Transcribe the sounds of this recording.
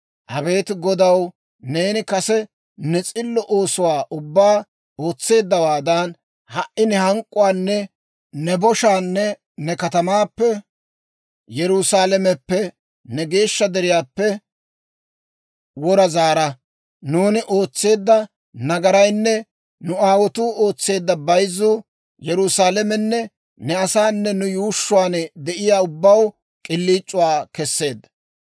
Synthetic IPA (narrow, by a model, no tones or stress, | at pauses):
ʔɐbe̞ːt̪ɪɡɔd̪ɐw | ne̞ːnɪkɐsɛ | nɛt͡sʼɪlːɔʔo̞ːsʊwaːʔʊbːaː | o̞ːt͡sːe̞ːd̪ːɐwaːd̪ɐn | hɐʔɪnɪhɐŋkʼːʊwaːnːɛ | nɛbɔʃaːnːɛ | nɛkɐt̪ɐmaːpːɛ | jɛɾʊsaːlɛmɛpːɛ | nɛɡe̞ːʃːɐd̪ɛɾɪjaːpːɛ | wɔɾɐzaːɾɐ | nuːnɪʔo̞ːt͡sːe̞ːd̪ːɐ | nɐɡɐɾɐjnːɛ | nʊaːwɔt̪uːo̞ːt͡sːe̞ːd̪ːɐbɐjzuː | jɛɾʊsaːlɛmɛnːɛ | nɛɐsaːnːɛnʊjuːʃːʊwaːnd̪ɛʔɪjaːʊbːɐw | kʼɪlːiːt͡ʃʼːʊwaːkɛsːe̞ːd̪ɐ